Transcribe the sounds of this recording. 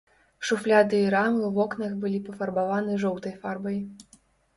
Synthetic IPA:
ʂuflʲad̪ɨiɾamɨwvɔknɐxbɨlʲipɐfɐrbavanɨʐɔwt̪ɐjfarbɐj

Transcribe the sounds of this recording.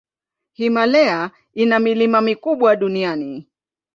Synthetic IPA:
himalɛa | inamilimamikuɓwaɗuniani

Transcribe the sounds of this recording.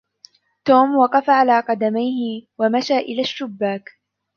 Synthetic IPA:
t̪oːmwɑqɑfaʕalaːqɑd̪amajhɪwamaʃaːʔɪlaːʃːʊbːaːk

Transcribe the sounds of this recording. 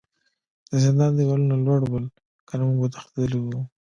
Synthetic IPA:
d̪̥əzɪnd̪ɑnd̪əwalunalwaɽbəl | kənamuɡwət̪ḁxt̪ad̪əliwu

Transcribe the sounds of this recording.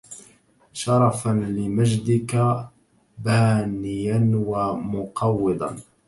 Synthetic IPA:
ʃɑɾˤɑfanlɪmaʒd̪ɪka | baːnɪjanwamʊqɑwːɪd̪ˤɑ̰n

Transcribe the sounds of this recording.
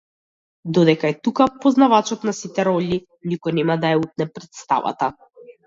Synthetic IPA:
d̪ɔd̪ɛkaɛt̪ukapɔznavat͡ʃɔt̪nasit̪ɛɾɔʎi | nikɔjnɛmad̪ajaut̪̚nɛpɾɛt̪st̪a̰va̰t̪a

